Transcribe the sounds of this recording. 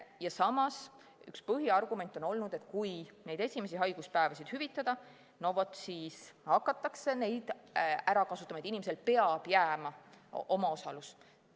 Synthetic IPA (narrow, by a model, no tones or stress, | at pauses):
jɑsɑmɑs | y̰kspɤɦiɑrɡume̞nʲt̪ːˑo̞no̞lnud̪̥e̞t̪ːˑkujne̞jd̪e̞sʲime̞s̬iɦɑjɡ̥uspæevɑsid̪̥hyvit̪ːˑɑd̪̥ɑ | novot̪siːshɑkːˑɑt̪ːˑɑkse̞ne̞jd̪̥æɾɑkɑsut̪ːˑɑmɑet̪inimeselpe̞ɑb̥jæːmɑʔo̞mɑo̞sɑlus